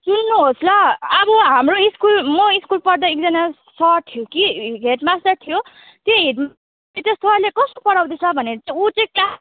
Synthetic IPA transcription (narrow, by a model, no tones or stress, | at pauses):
sunːuɦosʰlʌːbʌɦamroiskulmʌiskulpʌrd̪ʌek̚d͡zʌna | sʌʈ̪ʰijokiɦeʈmast̪ʌrt̪ʰijo | t̪joɦeʈm | et̪jʌst̪ʰʌrlekʌst̪opʌɽawd̪et͡sʰʌbʱʌneɾʌt͡sãut͡sekla